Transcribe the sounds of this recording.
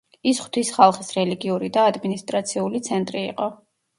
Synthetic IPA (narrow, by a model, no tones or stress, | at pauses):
isχw̥t̪ʰisχalˠχisɾɛliɡiuɾid̪aːd̪minist̪ʼɾat̪sʰiulit̪sʰɛnt̪ʼɾḭːqʼɔ